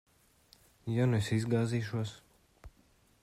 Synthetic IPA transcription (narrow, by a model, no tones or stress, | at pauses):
januɛsizɡaːziːʃuɔs